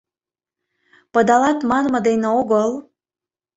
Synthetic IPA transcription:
pə̆d̪ɑlɑt̪mɑnmɤ̆d̪eneoɣəl

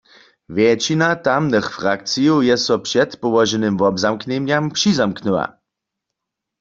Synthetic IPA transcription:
vjɛt͡ʃinat̪amnɛxfʁak̚t͡sijowjɛsɔpʂɛt̪pɔwɔʒɛnɨmvɔbzamkɲɛɲjampʂizamknuwa̰

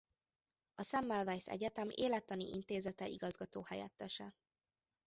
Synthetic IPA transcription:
ɒsɛmːɛlvɛjsɛ̰ɟɛt̪ɛmeːlɛt̪ːɒnḭʔint̪eːzɛt̪ɛʔiɡɒzɡɒt̪oːhɛjɛ̰t̪ːɛʃɛ

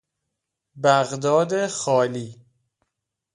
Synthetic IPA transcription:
bæɣd̪ɒːd̪exɒːliː

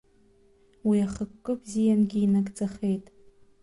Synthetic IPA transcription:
wiaχəkʷːʼɨbzijanɡʲiːnakʼt͡sʼaχe̞jtʼ

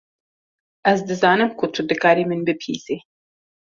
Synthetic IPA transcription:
ʔɛzd̪ɨzɑːnɨmkʰʊt̪ʰud̪ɨkɑːɾiːmɨnbɨpʰḭːz̥eː

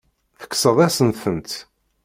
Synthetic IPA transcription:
θə̥kːsəðˤæsənθənt̪

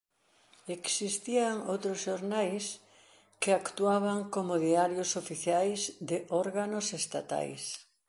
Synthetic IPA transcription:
eksist̪iaŋowt̪ɾozʃoɾnajs | keakt̪uaβaŋkomoðiaɾjosofiθjajzd̪eʔɔɾɣanosest̪a̰t̪a̰js

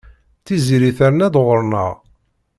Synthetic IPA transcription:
θiziɾiθæɾənæðʁəɾnə̰ʁ

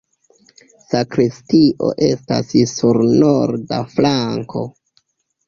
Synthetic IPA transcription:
sakɾistiʔo̞̰ʔe̞sta̰ssuɾnoɾdaflaŋko̞̰

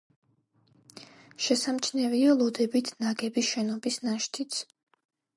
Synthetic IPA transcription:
ʃɛsamt͡ʃʰnɛvialˠɔd̪ɛbit̪ʰnaɡɛbisʃɛnɔbisnaʃt̪ʰit̪sʰ

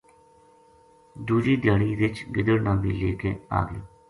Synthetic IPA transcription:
d̪uːd͡ʒiːd̪jaːɽiːʋɪt͡ʃɡɪd̪əɽnaːmbiːleːkeːa̰ːɡoː

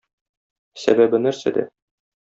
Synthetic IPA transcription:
sæ̰bæbɘnæɾsæ̰d̪æ̰

